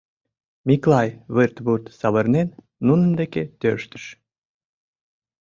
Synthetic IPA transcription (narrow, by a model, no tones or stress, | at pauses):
miklɑjβɨrt̪βurt̪sɑβə̆rnenː | unənd̪eket̪øʃt̪ə̥ʃ